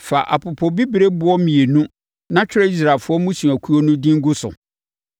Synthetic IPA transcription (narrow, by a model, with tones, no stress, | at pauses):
fa˨ʔa̰˨pʊ˨pʰɔ˨bi˦bɾe˦bʊ˦ɔ˦mĩ˨e˨nũ˦ | nã˦t͡ɕᶣɪ˦ɾɛ˦i˦s̬ɾa˨lfʊ˦ɔ˦mũ˦ɕũ˨æ˨kʰu˦o˦nʊ̃˦dĩ˦ŋ̩˦ɡʊ˦sʊ̰˨